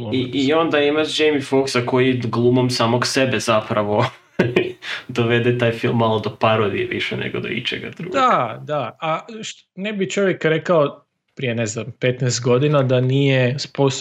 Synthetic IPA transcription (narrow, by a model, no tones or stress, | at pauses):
iio̞nd̪aimaʃd͡ʒejmifoksako̞jiɡlˠumomsaːmoɡsebez̥apɾaʋo̞ | d̪oʋed̪et̪aːjfilˠmːalˠod̪opaɾod̪ieʋiʃɛ̰nḛɡod̪o̰ḭt͡ʃḛɡa̰d̪ɾṵɡd̪ad̪aaʃ | nebit͡ʃo̞ʋjekɾekao | pɾije̞neznampet̪nɛjst̪ɡo̞d̪inad̪anijespos